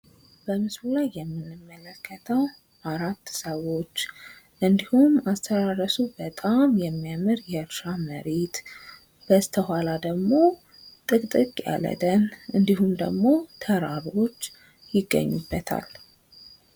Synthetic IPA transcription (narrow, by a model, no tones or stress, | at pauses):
b̥əmɨsɾulajːɛmːɨnːɨmːələkʰːət̪ʰəw | ʔaɾat̪ːsəwo̞t͡ʃː | ʔɨnd̪ihumast̪ʰəd̪aɾəsubət̪ʼamjɛmːijamɨɾjɛɨɾʃaməɾet̪ | b̥əst̪ʰəhalad̪əɡmo̞ | t̪ʼɨkʼt̪ʼɨkʼja̰lə̰t̪ʼənʔɨnd̪ihumd̪ə̰ɡmo̞t̪ʰəɾaβo̞t͡ʃː | jɪɡːə̰ɲːubːət̪ʰa̰l